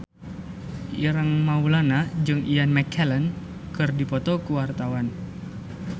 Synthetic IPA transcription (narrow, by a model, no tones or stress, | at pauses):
ʔḭɾaŋmaulanad͡ʒɨŋijanmɛkʰɛlɛn | kɨrdipɔt̪ɔkuwart̪awan